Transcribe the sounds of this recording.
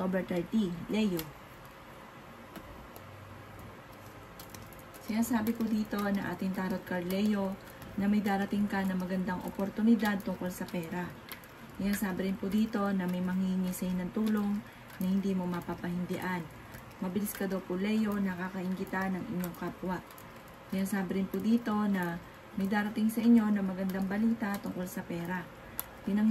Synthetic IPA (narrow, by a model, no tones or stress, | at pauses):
obɛt̪ɐɹt̪ilɛjo | sɪnaːsaːbɪpʊd̪iːt̪o̞nɐŋʔa̰ːt̪ɪŋt̪aːɾot̪̚kɐɹlɛjo̞ | nɐmɐjd̪aːɾɐt̪ɪŋkɐnɐŋmɐɡɐnd̪aŋʔo̰poɾt̪ʊnɪd̪ad̪̚t̪ʊŋkolsɐpɛːɾɐ | sɪnaːsaːbɪɾɪnpʊd̪iːt̪o̞nɐmɐjmɐŋiŋisɐɪnɐŋt̪uːlo̞ŋ | nɐhɪnd̪iːmo̞mɐpapɐhɪnd̪ɪʔan | mɐbɪlɪskɐd̪owpʊlɛjo̞nɐkakɐhɪŋɡɪt̪anɐŋɪ̰ɲːo̞ŋkapwaʔ | jaŋsaːbɪɾɪnpʊd̪iːt̪o̞nɐ | mɐjd̪aːɾɐt̪iŋsɐʔɪɲːo̞nɐmɐɡɐnd̪aŋbɐliːt̪at̪ʊŋko̞lsɐpɛːɾa | pɪnɐŋ